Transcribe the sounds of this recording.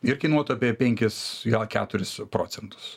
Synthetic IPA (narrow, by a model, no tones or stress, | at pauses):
ɪrkʲɐɪnuɔt̪ɐpʲiːpʲɛŋʲkʲɪsɡɛkʲæ̰ːt̪ʊɾʲɪspɾo̰ːsʲɛnt̪ʊ̥s